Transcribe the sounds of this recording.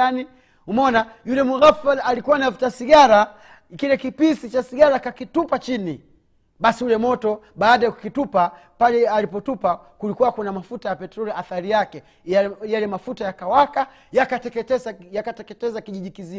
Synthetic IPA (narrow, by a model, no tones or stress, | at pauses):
ani | humɔnajulɛmuɣafalalikuwanavitasiɡaɾa | kilɛkipisit͡ʃasiɡaɾakakitupat͡ʃini | ɓasijulɛmɔtɔ | ɓaːɗajaku̥kitupa | palɛalipɔtupa | kulikuwakunamafutajapɛtɾɔliaθaɾijakɛ | jalɛmafutajakawaka | jakatɛkɛtɛzajakatɛkɛtɛzakiʄiʄikizi